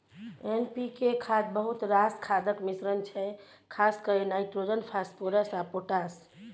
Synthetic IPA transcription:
enpikekʰad̪bəɦut̪ɾaskʰad̪əkmisɾənt͡ʃʰɛ | kʰaskəenajt̪ɾod͡ʒənpʰaspoɾəsapoʈas

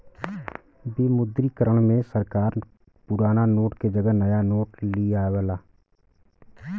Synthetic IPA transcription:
bimʊd̪ɾikəɾəɽ̃mẽsəɾkaːɾ | pʊɾaːnanoːʈked͡ʒəɡənəjanoːʈliaːwlaː

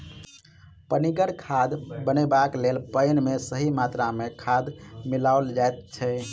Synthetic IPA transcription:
pəniɡəɽkʰad̪bənebaklelpəɪnmesəɦimat̪ɾamekʰad̪milaold͡ʒaet̪̚t͡ʃʰɛ

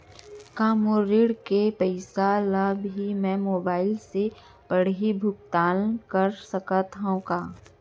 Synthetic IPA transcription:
kaːmoɾɪɽkepɛɪsalabɦimɛ̃ːmoːbaːɪlse | pɐɽ̤ibʱʊk̚t̪aːlkəɾsɐkət̪ɦõkaː

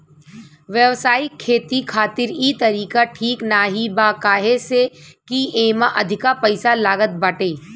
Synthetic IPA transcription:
ʋjəʋsaːɪkʰːeːt̪ikʰaːt̪ɪɾiːt̪ɐɾiːkaʈʰiːknaːɦibakaːɦesekieːmaʔɐd̪ʱɪkapɐɪsalaːɡət̪̚baʈeː

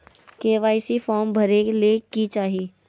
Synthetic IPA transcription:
keːʋaːɪsifɔːɾmbʱɐɾekeliekit͡ʃaːɦieː

